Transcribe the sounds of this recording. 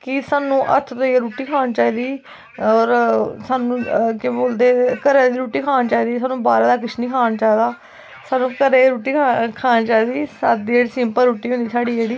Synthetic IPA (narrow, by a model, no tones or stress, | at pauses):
kɪsaːnũːʔə̰t̪ʰt̪õːeːɾuːʈiːkʰaːnt͡ʃaːiːd̪iː | ɔːɾsaːnũːkẽboːld̪eːkəɾeːd̪iːɾuːʈiːkʰaːnt͡ʃaːiːd̪iːsaːnũːbaːɾaːd̪aːk̬ɪt͡ʃʰnĩːkʰaːnːt͡ʃaːid̪aː | saːnũːkəɾeːɾuːʈiːakʰaːnt͡ʃaːiːd̪iːsaːd̪iːeːɽiːsɪmpəɾuːʈiːɦʊ̃nd̪iːsaːɖiːd͡ʒeːɽiː